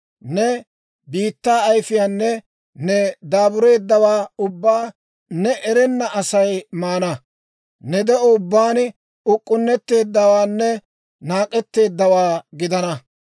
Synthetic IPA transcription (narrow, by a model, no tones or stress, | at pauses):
nɛ | biːt̪ːaːɐjfɪjaːnːɛ | nɛd̪aːbʊɾe̞ːd̪ːɐwaːʊbːaː | nɛʔɛɾɛnːɐʔɐsɐjmaːnɐ | nɛd̪ɛɔʊbːaːn | ʊkʼːʊnːɛt̪ːe̞ːd̪ːɐwaːnːɛ | naːkʼːɛt̪ːe̞ːd̪ːɐwaːɡɪd̪ɐnɐ